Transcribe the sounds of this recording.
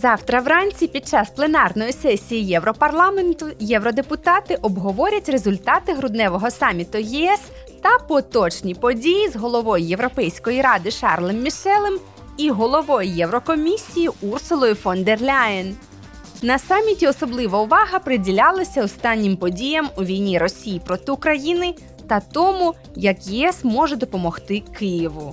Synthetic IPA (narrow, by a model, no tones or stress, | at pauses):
zɑwt̪ɾɐʋɾɑnʲt͡sʲipʲid̪̚t͡ʃɑsplˠenɑrnɔjisɛsʲijijɛwɾɔpɐrlˠɑment̪ʊjɛwɾɔd̪epʊt̪ɑt̪ɪʔɔbɦɔʋɔɾʲɐtʲre̞zʊlʲt̪ɑt̪ɪɦɾʊd̪nɛʋɔɦɔsɑmʲit̪ʊjɛɛs | t̪ɐpɔt̪ɔt͡ʃnʲipɔdʲijizɦɔlˠɔʋɔjjewɾɔpɛjsʲkɔjiɾɑd̪ɪʃɑrlˠɪmːʲiʃɛlˠɪm | iɦɔlˠɔʋɔjjɛwɾɔkɔmʲisʲijiursʊlˠɔjifɔnd̪erlʲajɪn | nɐsɑmʲitʲiɔsɔblˠɪʋɐʊʋɑɦɐpɾɪdʲilʲɑlˠɐsʲɐɔst̪ɑnʲːimpɔdʲijɐmuʋʲijnʲiɾɔsʲijipɾɔt̪ɪʊkɾɐjinɪ | t̪ɐt̪ɔmu | jɐkjɛɛsmɔʒɛd̪ɔpɔmɔxt̪ɪkɪjiʋʊ